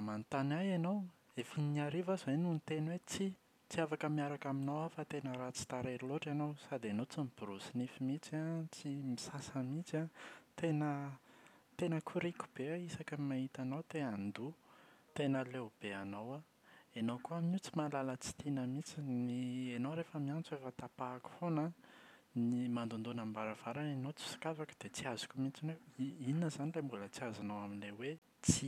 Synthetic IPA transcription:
mant̪anajanow | efiniaɾivazajnunit̪enwet͡si | t͡siafakəmiaɾakaminowafat̪enəɾat͡si̥t̪aɾeɾiloʈ͡ʂanowsad̪anowt͡simib̥iɾusinifimit͡siat͡simisasəmit͡sat̪enə | t̪enəkʰuɾiku̥b̥eaisakəmaɦit̪anowt̪enand̪ut̪enəleub̥eanowa | enowkuamut͡si̥malalət͡si̥t̪inəmit͡sinienowɾefəmiant͡suefət̪apaːku̥fona | nimand̪und̪unambaɾav̥aɾanenot͡si̥si̥kavakə̥d̪̥et͡siazu̥kʲumit͡sineiininəzanilembulət͡siazanowaminlewe | t͡si

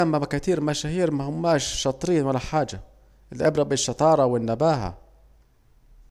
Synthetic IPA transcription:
amːabakat̪iːɾmaʃahiːɾmahʊmːæːʃːɑt̪ˤɾiːnwalaħaːd͡ʒa | ɪlʔɪbɾɑbɪʃːɑt̪ˤɑːɾˤɑwɪnːabaːɦa̰

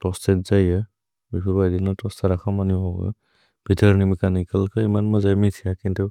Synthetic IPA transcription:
tɔstɛtzajə | bipʰubajdinɔtɔstaɾakʰamaniɦɔɡ̰ | b̥ʱitʰəɹnimikanikəlkʰɯimanmazajmitʰijakintu

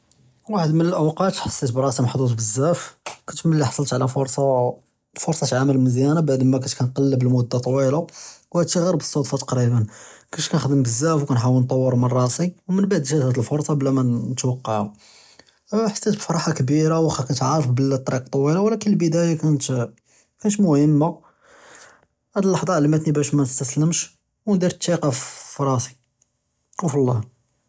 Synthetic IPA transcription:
waħəd̪mənəlʔəwqɑt̪ħɑ̥sˤːet̪bɾˤɑsimħd̪ˤut̪ˤbəzːæfkænt̪məlːiħɑ̥sˤlt̪ʕlæfoɾˤsˤɑ | fʊɾsˤɑt̪ʕaməlməzjænabaʕd̪mækænt̪kænqɑlːbəlmud̪ːat̪ˤɑwilawhæt̪ːiɣɑɾbə̥sˤːod̪fɑt̪ɑ̥qɾibənkæʃkænxd̪əmbəzːæfwkænħawəlnt̪ˤːɑwːəɾˤmɑrˤːɑsiwmənbaʕd̪ʒæt̪hæt̪əlfoɾˤsˤɑblːæmænət̪wɑqːɑʕu | ħḁt̪ːæt̪bfɑɾˤɑħakbiɾawæxækænt̪ʕaɾˤːəfbəlt̪ˤːɾiq̚t̪ˤːɑwilawlækənlbəd̪æjakænt̪ | kænət̪mʊhəmːa | hæd̪əlːɑħd̪ˤɑʕlæmæt̪nibæʃmænəst̪æsləmʃ | wnd̪iɾt̪ːiqɑffɾˤɑsi̥ | uflˤːɑh

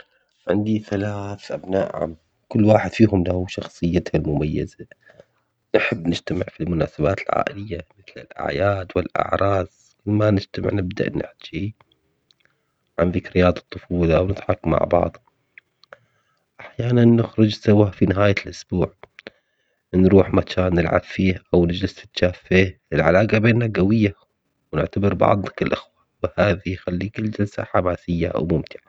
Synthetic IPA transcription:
ʕɪ̰nd̪iθalaːθʔabnaːʔʕa̰m | kʊlːwaːħɪd̪fiːhʊmlahuʃɑxsˤɨjːat̪halmʊmajːa̰za | nħabːnɪd͡ʒt̪amɪ̰ʕfilmʊna̰ːsabaːt̪ɪlʕa̰ːʔɪlɪjːamɪθlɪ̰lʔa̰ʕjaːd̪wɪlʔɪ̰ʕɾˤɑːz | kɪnmanɪd͡ʒt̪amɪ̰ʕnɪbd̪a̰ʔnɪ̰ħt̪ḁd͡ʒi | ʕanðɪkɾɪjaːd̪ˤɑt̪ˤːʊfuːlawnɪt̪ħɑkːmːa̰ʕbɑ̰ʕðˤ | ʔaħjaːnanːɪxɾʊd͡ʒsawafinɪɦaːjalʔʊsb̥uːʕ | nɾuːħmakʰaːnːɪlʕa̰bfiːhʔawnɪd͡ʒlɪst̪ɪ̥t̪t͡ʃaːfːeːhɪlʕa̰laːqabeːnːaɡawɪjːa | wnɪ̰ʕt̪abɪɾbɑ̰ʕd̪ˤnakɪlʔɪxwawhaːðijxalːiːkɪlːd͡ʒɪlsa̰ħamaːsɪjːa̰ʔa̰wmʊmt̪ɪʕa

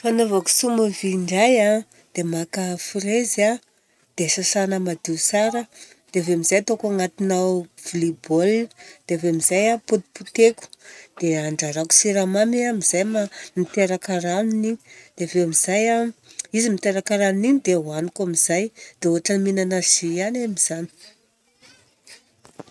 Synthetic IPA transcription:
fanovaku̥sumaviɳɖ͡ʐaja | d̪̥emakəfiɾeza | d̪̥esasanəmad̪iusaɾə | d̪̥eavemizajat̪okaŋat̪inawv̥ulibold̪̥eavemizajapud̪i̥put̪eku̥d̪̥eaɳɖ͡ʐaɾaku̥siɾamamiamizajmamit̪eɾakaɾanuniɲid̪̥eaveamizajaizimit̪eɾakaɾanuniɲid̪ewanikamizajd̪̥eoɦaʈ͡ʂəminanazijanamiz̥ani̥

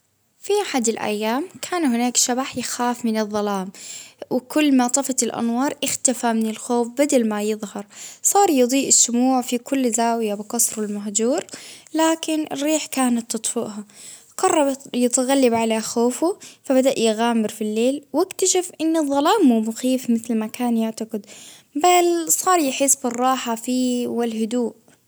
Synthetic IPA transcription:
fiʔaħad̪ɪlʔa̰jːaːmkʰaːnhɪnaːkʃabaħjɪxaːfmɪnɨðˤːɑlaːmwɪkʊlːmɑt̪ˤɑfɑlʔa̰nwɑːɾˤʔɪxt̪afamɪnɪlxoːfbad̪almajɨðˤhɑɾˤsˤɑːɾˤjɨd̪ˤiːʔɪsːʊmuːʕfikʊlːzaːwɪjabɪqɑsˤɾwɪlmaɦd͡ʒuːɾlaːkɪnʔɪ̰rːiːħkaːnat̪ːɨt̪ˤfʊ̰ʔɦa | qɑrˤːɑbjɪt̪ɣalːabʕaleːxoːfʊfabad̪aʔjɪɣaːmɪɾfilːeːlwɪkt̪aʃafʔɪnːɨðˤːɑlaːmːuːmʊxiːfmɪθlmakaːnjaʕt̪aqɪd̪ | balsˤɑːɾˤjɪħɪsːbɪrˤːɑːħafiːwɪlhʊd̪uːʔ

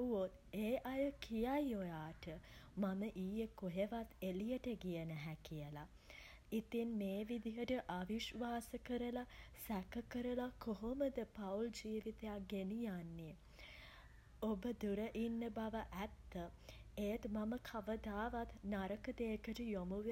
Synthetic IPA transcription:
uot̪ | eːʔajəkʰijajojaːʈəmaməʔiːjekoɦeʋat̪elijəʈəɡijənəɦækijəla | it̪inmeːʋid̪ijəʈəʔaʋiʃʋaːsəkəɾəlasækəkəɾəlakoɦoməd̪əpauld͡ʒiːʋit̪ejakɡenijanːi | obəd̪uɾəʔinːəbaʋəʔæt̪ːəejt̪maməkʰaʋəd̪aːʋat̪naɾəkəd̪eːkəʈəjomuʋe

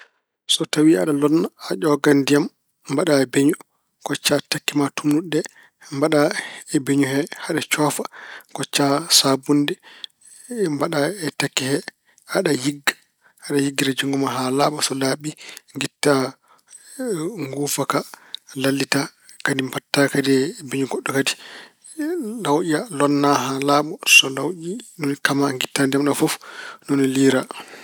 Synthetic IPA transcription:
sɔtawiaɗalɔnːaːʄɔɡandijamː | baɗaɛbeɲu | kɔt͡ʃːatakːimatʰunuɗːɛ | mbaɗaɛbeɲuhɛhaɗat͡ʃɔfakɔt͡ʃːasabundɛ | mbaɗaɛtakːihɛ | aɗajiɡːḁ | haɗajiɡːiɾad͡ʒuŋɡumaɦalaːɓɔsɔlaɓiŋɡitːa | ŋɡuːfakalalːitakadimbatːakadibiɲuɡɔɗːɔkadi̥ | lawʔialɔnːaɦalaɓɔsɔlawʔinɔnkamaŋɡitːandɛmɗɔfɔfnɔnɔliːɾa

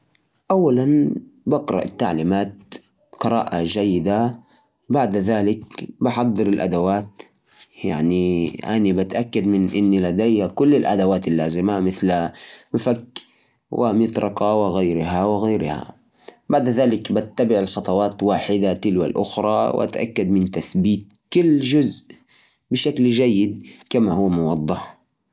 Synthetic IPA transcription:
ʔawːalanbɑqɾˤɑ̰ʔɪt̪ːa̰ʕliːmaːt̪̚ | qɨɾˤa̰ːʔad͡ʒajːɪd̪a | baʕd̪ðaːlɪkbɪħɑd̪ˤːɨɾɪlʔa̰d̪awaːt̪ | ja̰ʕniʔa̰nibat̪ʔakːad̪mɪnʔɪnːilad̪ajhakʊlːɪlʔa̰d̪awaːt̪alːaːzɪmamɪθlmɪfakː | wʔɪ̰mɪt̪ɾʔɑqɑwɪɣajɾɦawɪɣaːɾha̰ | baʕd̪ðaːlɪkbat̪ːabɪʕɪlxɑt̪ˤɑwɑːt̪waːħɪd̪at̪ɪlwa̰lʔʊ̰xɾˤɑw̰ʔa̰t̪ʔa̰kːad̪mɪnt̪aθbiːt̪̚kʊlːʒʊzʔ | bɪʃaklʒajːɪd̪̚kamahʊːmʊwɑd̪ˤːɑħ

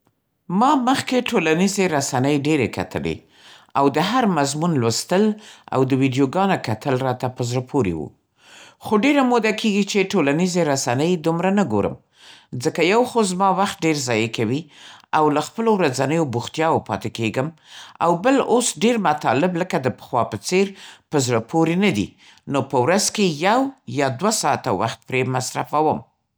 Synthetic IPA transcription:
mɑməxkeʈʰolanizeɾasanəjɖeɾeka̰t̪ʰə̰lḛ | awd̪əɦaɾmazmunlwəst̪əla̰wd̪əwiɖjoɡɑnokat̪əlɾɑt̪apəzɾapʰoɾḛwṵ | xoɖeɾamod̪akeɡit͡ʃeʈolanizeɾasanəjd̪umɾanəɡoɾə̰m | zəkajawxozmɑwaxt̪̚ɖeɾzɑjekawiawlaxpəlowɾad͡zanəjobuxt̪jɑwopɑ̰t̪ekeɡəma̰wbəlosɖeɾmat̪ɑlɪbləkad̪əpə̥xwɑpət͡seɾpəzɾapʰoɾenad̪ḭ | nopəwɾazkejawjɑd̪wasɑat̪awa̰xt̪̚pɾemasɾa̰fawəm

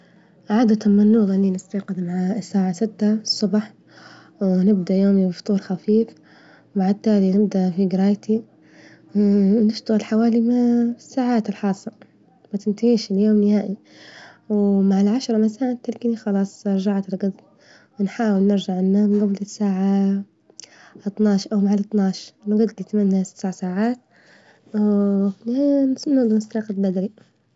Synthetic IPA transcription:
ʕaːd̪at̪anmɪnːuːɣalːinɪst̪ɑːqɪd̪maʕasːaːʕasɪt̪ːasˤːʊbħ | wnɪb̚d̪aʔjoːmibft̪ˤuːɾˤxafiːf | baʕd̪̚t̪ːaːlinɪbd̪aʔfiɡɪɾˤɑːjt̪i | nɪʃt̪aɣɪlħawaːlimasːaːʕaːt̪ɪlħɑːsˤɑ | bat̪ɪnt̪aʕiːʃɪljoːmnɪhaːʔi | wmaʕalʕaʃɾˤɑmasaːʕt̪ːɪlkanixɑlɑːsˤɪɾˤʒaʕt̪ɪlɡɑd̪ | wɪnħaːwɪlnɪɾʒaʕɪnːaːmɡablɪsːaːʕa | ɑt̪ˤnɑːʃʔawmaʕalɑt̪ˤnɑːʃnɡɑd̪lɪt̪manːasɪ̥t̪saʕasaːʕaːt̪̚ | snʊd̪ˤmɪsɾɑːqalbad̪ɾi

